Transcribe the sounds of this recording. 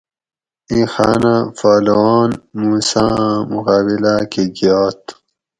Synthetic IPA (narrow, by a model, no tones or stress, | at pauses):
ĩxaːnafaːlɑːnmuːsãmuqaːbilakʰeɡijaːt̪